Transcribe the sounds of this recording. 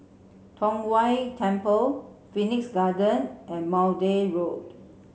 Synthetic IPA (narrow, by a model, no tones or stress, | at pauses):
tʰɔ̃ŋwaɪtʰɛ̃mpəlfiniksɡadə̃nʔɛ̃nmawdeɹod